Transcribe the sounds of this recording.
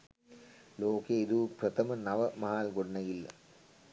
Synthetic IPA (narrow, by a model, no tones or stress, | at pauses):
loːkeid̪upɾɐt̪ʰɐmɐnɐʋɐmɐɦaːlɡoɖɐnɐɡilːɐ̰